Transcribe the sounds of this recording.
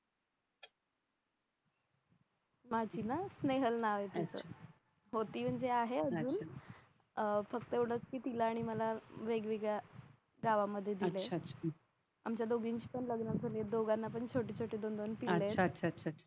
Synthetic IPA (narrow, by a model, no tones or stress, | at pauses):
mad͡ʑiːnasneɦəlnaʋet̪it͡sə̰ | ɦot̪iːm̤əɳd͡zeaɦeəd͡zuːn | fək̚t̪əewɽ̤ət͡skiːt̪ilaːɽ̃iməlaʋeɡʋiɡa | ɡaʋaməd̪ʱːjed̪ileaɕʰ | amt͡ɕjad̪oɡiːnɕi̥pəɳləɡnəd͡zʱəlied̪oɡanːapəɳt͡ɕʰoʈiːt͡ɕʰoʈeːd̪ond̪onpileatːɕʰaɕʰaa